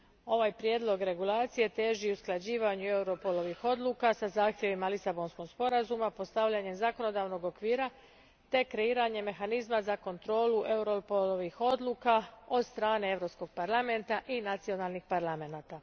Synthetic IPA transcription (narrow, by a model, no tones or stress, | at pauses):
o̞ʋaːjpɾje̞ːd̪lˠo̞ɡɾe̞ɡulˠaːt̪sije̞t̪e̞ːʒiusklˠad͡ʑiːʋaɲue̞uɾo̞polˠo̞ʋixo̞d̪lˠuːkasazaːxt̪ʲje̞ʋimalisabo̞nsko̞ɡ̥spo̞ɾazumapo̞st̪aʋʎaɲe̞mzako̞no̞d̪aːʋno̞ɡo̞kʋiːɾa | t̪e̞kɾe̞iːɾaɲe̞me̞xanizmazako̞nt̪ɾo̞ːluʔe̞uɾopolˠoʋixo̞d̪lˠuːkao̞d̪st̪ɾaːne̞e̞ʋɾo̞psko̞ɡ̥̚paɾlˠame̞nt̪aʔinat̪sio̞naːlˠnixpaɾlame̞naːt̪a